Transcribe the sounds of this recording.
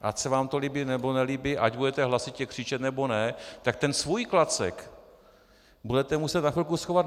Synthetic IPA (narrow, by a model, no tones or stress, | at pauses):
ʔa̰csɛvaːmt̪oliːbɪnɛbonɛliːbɪʔaɟbudɛt̪ɛɦlasɪt̪cɛkr̥ɪt͡ʃɛt̪nɛbonɛt̪ak̚t̪ɛnsvujklat͡sɛ̰k | budɛt̪ɛmusɛt̪nafɪlkusxovat̪